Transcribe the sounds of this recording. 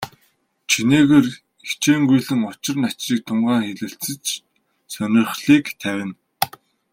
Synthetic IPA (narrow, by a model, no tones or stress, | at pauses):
t͡ɕʰineːɣeːr | it͡ɕeːŋɡujɮɘ̆ŋʊt͡ɕɪ̆rnat͡ɕriːk̚t̪ʰʊɴɢaːŋxeɮɘ̆ɬt͡sɘ̆t͡ɕ | sœnʲɪ̆rχɮiːkt̪ʰæwʲɪ̆n